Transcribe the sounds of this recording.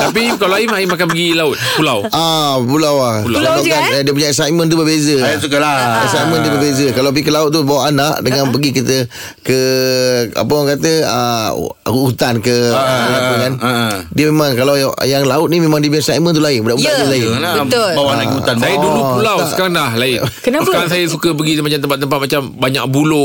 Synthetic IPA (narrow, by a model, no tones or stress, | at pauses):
t̪apikalaaimaimakanpəɡilaʊt̪̚pulawapulawa | daanadiəp̬uɲaʔɛsajmə̃nt̪ubəbezəukaɛsajmə̃nt̪ubəbezəkalaap̬ikəlaʊt̪̚t̪ːubawaʔanaʔdəŋãnpəɡikit̪ə | kə | a̰pəaŋkat̪əə̰ | uut̪ankəlapəkandiəmemãŋkalawjaŋlaʊt̪̚nimemãŋdiəbɲasajmə̃nt̪̬ulaɪbunaʔut̪adəlaɪəʊlbawaauansajaduuulawskaɾaŋlahlaɪkənasəaɾans̬ajəsukəp̬əɡimat͡ʃamt̪əmpat̪̚ːəmpat̪̚mat͡ʃambaɲa̰ʔ̚bulo